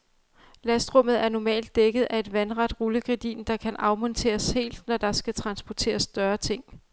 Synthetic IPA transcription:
læsd̥ʁɔ̽m̰ð̞̩ˠæɐnɒmɛ̰ːld̥ːeɡ̥ð̞̩ˠʔæe̝d̥ʋænʁɑ̈d̥ʁuləɡ̥ʁed̥ḭːnd̥ɑ̈kʰænʔɑ̈ʊmɒ̽nt͡sʰe̝̰ːɐshe̝̰ːld̥nɒd̥ɑ̈sɡ̥æt͡sʰʁɑ̈nsb̥ɒt͡sʰe̝̰ːɐsːd̥ɶɐt͡sʰe̝ŋ̰

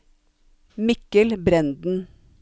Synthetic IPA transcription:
mɪkəlbɾɛnd̪n̩

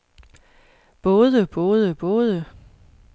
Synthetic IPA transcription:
b̥ɔ̽ːðˠəb̥ɔ̽ːðˠəb̥ɔ̽ːð̞ˠə

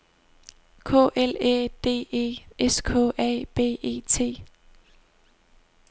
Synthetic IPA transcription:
kʰɔ̰ːʔeled̥e̝̰ːe̝̰ːeskʰɔ̰ːʔɛ̰ːb̥e̝̰ːe̝̰ːt͡sʰe̝̰ː

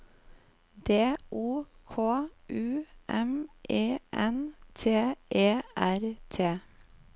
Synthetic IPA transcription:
d̪eːʔuːkʰoːʔʉːʔɛmʔeːʔɛnt̪ʰeːʔeːæɾt̪ʰeː

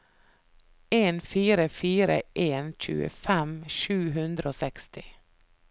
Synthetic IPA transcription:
eːnfiːɾəfiːɾə̰ʔeːnʃʉ̰ːə̰fɛmʃʉːɦʉnd̪ɾəoːsɛkst̪ʰɪ

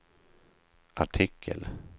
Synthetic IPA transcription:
ʔaʈʰɪkʰːə̰l

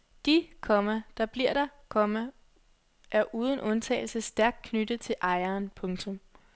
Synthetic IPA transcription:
d̥ikʰɒ̽mæd̥ɑ̈b̥liɐ̰ɾ̥ɑkʰɒ̽mæ | ʔæɐʔuːð̞ˠən̩ʔɔ̽nt͡sʰɛ̰ːɪl̩səsd̥æɐɡ̥̚kʰnyd̥ət͡sʰe̝lʔɑ̈ɪɐːnpʰɔ̽ŋt͡sʰɔ̽m

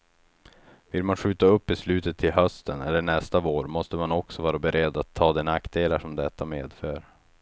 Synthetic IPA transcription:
vɪlmanɧʉ̟ːt̪aɵpːɪslʉ̟ːt̪ət̪ʰːɪlɦœst̪ʰənɛlːəɳɛst̪avoːɾmɔst̪əmanɔksɔvɑːɾabɛɾʔɛd̪ːat̪ʰːɑːd̪ɛnaktd̪eːlaʂɔmd̪ɛt̪ʰːameːd̪føːɾ

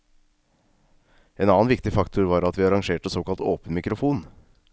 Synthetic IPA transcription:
eːnɑːnʋɪkt̪ɪfɑkt̪ʰʊɾʋɑːɾɑt̪ʋiːɑɾɑŋʂeːʈəsoːkɑlt̪o̰ːpənmɪkɾʊfuːn

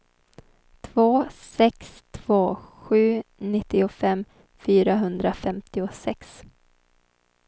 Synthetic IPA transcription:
t̪ʰvoːsɛkst̪ʰv̥oːɧʉ̟ːnɪt̪ːɪʊfɛmː | fyːɾaɦɵnd̪ɾafɛmt̪ɪʊsɛks

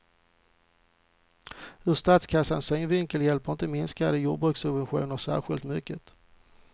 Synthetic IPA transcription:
hɵʂt̪at̪skʰasːansœŋvɪŋkəljɛlpəɪnt̪əmɪnskaɾəjuːɖbɾɵksɵbvɛnɧṵːnəɾʂæ̰ːɾɧɪlt̪mʏkːət̪

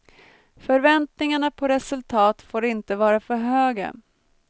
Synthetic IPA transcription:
fœɾvɛnt̪nɪŋaɳapʰɔɾɛsɵlt̪ʰɑːt̪foːɾɪnt̪əvɑːɾafœɾɦøːɡa̰

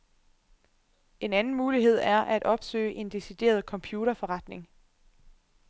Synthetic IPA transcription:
e̝nænn̩muːliɦe̝ð̰ˠæɐʔæd̥ɒ̽b̥sø̰ːɪʔe̝nd̥e̝sid̥e̝̰ːɐð̞ˠkʰɒ̽mpʰjuːɾɐfɒ̽ʁɑ̈d̥ne̝ŋ

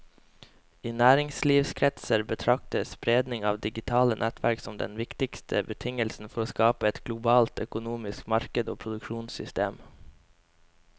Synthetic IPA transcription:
iːnæːɾɪŋsliːʋskʰɾɛt̪səɾbət̪ʰɾɑk̚t̪əspɾeːd̪nɪŋɑ̰ːʋd̪ɪɡɪt̪ʰɑːlənʔɛt̪ʰʋæɾksɔmd̪ɛ̰nʋɪkt̪ɪkst̪ʰəbət̪ʰɪŋəlsn̩fɔɾoːskɑːpəɛt̪ɡ̥lʊbɑːlt̪œkʊnuːmɪskmɑɾkəd̪oːpʰɾʊd̪ʉkʃuːnsʏ̰st̪ḛːm

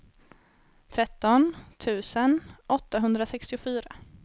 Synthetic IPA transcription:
t̪ʰɾɛt̪ːɔnt̪ʰʉ̟ːsənʔɔt̪ːaɦɵnd̪ɾasɛkst̪ɪʊfyːɾa

